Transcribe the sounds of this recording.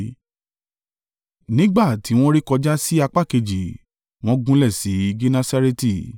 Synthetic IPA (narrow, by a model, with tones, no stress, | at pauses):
nĩ˦ɡ͡ba˦˨tʰi˨˦w̃ɔ̃˦ɾi˦kɔ˧d͡ʒa˦si˦a˧k͡pa˦˨ke˧d͡ʒi˨ | w̃ɔ̃˦ɡũ˦lɛ˦˨si˨˦i˧ɡe˦nã˦sa˦ɾe˦ti˦˨